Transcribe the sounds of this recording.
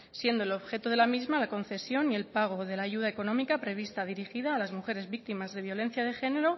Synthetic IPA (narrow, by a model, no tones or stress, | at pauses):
sje̞nd̪oelo̞βxe̞t̪oð̞e̞lamizmalako̞nθe̞sjo̞nie̞lpaɣ̞o̞ð̞e̞laːʝuðaeko̞nõ̞mikapɾe̞β̞ist̪aðiɾixiðaːlazmuxe̞ɾe̞zβik̚t̪imazðe̞β̞jo̞lẽ̞n̟θjað̞e̞xe̞ne̞ɾo̞